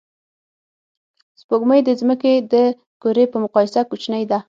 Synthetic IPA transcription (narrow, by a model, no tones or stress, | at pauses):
spoɡməjd̪əzməked̪ə | koɾepəmʊqɑjɪsakut͡ʃnəjd̪a